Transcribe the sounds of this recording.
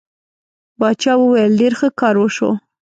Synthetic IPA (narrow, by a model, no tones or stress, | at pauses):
bɑt͡ʃɑwəwajəlɖeɾxəkɑɾwəʃo̰